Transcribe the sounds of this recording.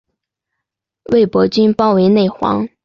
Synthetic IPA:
we˥˩ɪpwɔ˧˥t͡ɕy˥npɑ˥ʊwe˧˥ɪne˥˩ɪxwɑ̰˧˥ŋ

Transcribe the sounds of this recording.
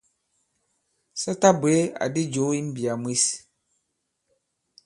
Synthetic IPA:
sa˦ta˦be˨˦a̰˨di˦d͡ʒo˨˦i˦m̩˦bi˨a˨m˦i˦s

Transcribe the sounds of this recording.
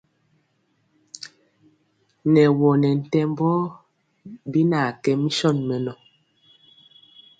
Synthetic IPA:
nɛ˨wɔ˨nɛ˨n̩˨tɛ˦mbɔ˦ | bi˦na˨kɛ˦mi˦sɔ˦˨nmɛ˨nɔ˨

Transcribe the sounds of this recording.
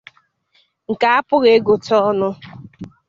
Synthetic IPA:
ŋ̩˨ka˨˦a˦pʊ˦ɣe˦ɡo˨tɔ˦nʊ˦

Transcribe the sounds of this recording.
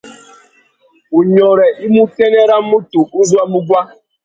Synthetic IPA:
u˨ɲɔ˨ɾɛ˨ʔi˦mu˦ke˦ne˦ɾa˦mu˦tu˨˦n̩˦zu˦a˦mu˦ɡʷa˦

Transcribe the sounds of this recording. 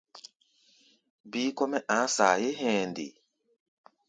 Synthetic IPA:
bi˦kɔ˦mɛ˦ʔã˨˦saː˨je˦ɦɛ̃˨ndḭ˨

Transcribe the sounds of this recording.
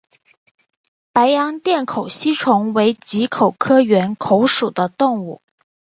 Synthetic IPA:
pa˧˥ɪjɑ˧˥ŋt̪jɛ˥˩nkʰo˨˩ʊɕi˥ʈ͡ʂʰʊ˧˥ŋwe˧˥ɪt͡ɕi˧˥kʰo˨˩ʊkʰɤ˥ɥɛ˧˥nkʰo˧˥ʊʂu˨˩d̪ə˦t̪ʊ˥˧ŋu˥˩

